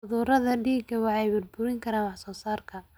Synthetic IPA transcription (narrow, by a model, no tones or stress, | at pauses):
ʊðuːɾɐðɐɖiːɡɐwɑħɑjbʊrbʊɾɪŋkʰɐɾaːnwɑħsɔːsaːrkʰɐ